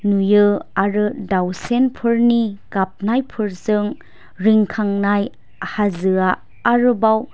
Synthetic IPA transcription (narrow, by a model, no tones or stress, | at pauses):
nujɯaɾɯdawsenpʰɯɾnikap̚najpʰɯɾzɯŋ | ɾiŋkʰaŋnaj | hazɯaː | ɾɯbaw